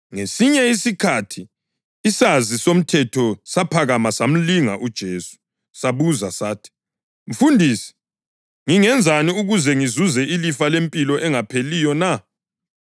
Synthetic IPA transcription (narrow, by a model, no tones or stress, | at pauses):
ŋesiɲɛisikʰatʰiː | sazisom̩tʰɛtʰɔsapʰaɣamasam̩liŋaʔud̥ʒ̥ʱeːsu̥ | saβuzasaːtʰi̥ | m̩fundʱiːsi̥ | ŋiŋɛnd͡zʱaniuɣuzɛŋizuzɛʔilifalempʼilɔʔɛŋapʰelijɔna